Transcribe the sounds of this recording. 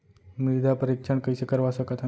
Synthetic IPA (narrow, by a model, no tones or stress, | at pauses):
mid̪ʱapəɾikʂəɳkəjsekəɾʋasəkət̪a